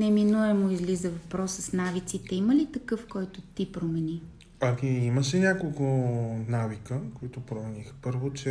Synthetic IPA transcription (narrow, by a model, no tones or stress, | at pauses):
nɛminuɛmoizlizəvɐpɾɔsəsnavit̪sit̪ɛiməlit̪ɐkɤfkɔjt̪ot̪ipɾomɛni | ɐkiiməʃɛnʲakolˠkʊnavikəkoit̪opɾomɛnixpɤɾvot͡ʃɛ